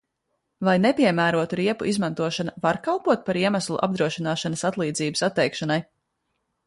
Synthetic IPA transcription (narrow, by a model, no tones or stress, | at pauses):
vajnepiɛmæːɾuɔt̪uɾiɛpuʔizmãnt̪uɔʃanɐvaɾkalˠpuɔt̪̚paɾiɛmaslˠṵʔa̰b̚d̪ɾuɔʃinaːʃanəsat̪lˠiːd̪ziːbəsat̪ːɛjkʃanaj